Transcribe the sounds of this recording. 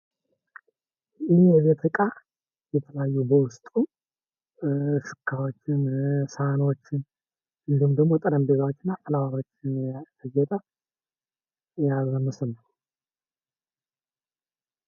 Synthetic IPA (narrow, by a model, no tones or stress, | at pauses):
jɪhjɛβet̪ɾɨkʼa | jɛt̪ʰələjajːubəwʊst̪ʼu | ʃɨ̥kʰːawot͡ʃːɪnsano̞t͡ʃːɪn | ɨnd̪ihumd̪əɡmo̞t̪ʼəɾəmbezawot͡ʃːɪnːaʔəlawaɾo̞t͡ʃːɪnt̪ʰəd͡ʒɛt̪ʼə | jaɡzənusɨnːəw